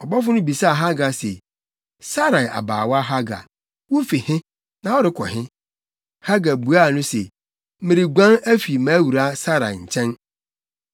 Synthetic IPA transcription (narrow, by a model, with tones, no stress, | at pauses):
ɔ˨bɔ˦fʊ˦nʊ̃˦bi˨sa˦˨ɦa˦ɡa˨sḛ˨ | sa˦ɾa˨ʔa̰˨ba̰ː˨wa˦ɦa˦ɡa̰˨ | wo˦fi˨hɪ̃˦ | nã˨wɔ˦ɾɪ˦kʰɔ˨ɦɪ̃˦ | ha˦ɡa˨bu˨a˦˨nʊ̃˦se˨˦ | mɪ̃˨ɾi˨ɡʷã˦næ˦fi˨mã˨˦wu˨ɾa˦sa˦ɾa̰˨ɲ̩˨t͡ɕʰɛ̃˦n